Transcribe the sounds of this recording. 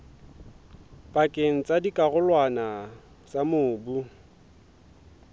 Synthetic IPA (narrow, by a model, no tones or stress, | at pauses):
pʼakʼeŋ̩t͡sʼadikʼaɣʊlwana | t͡sʼamʊːbu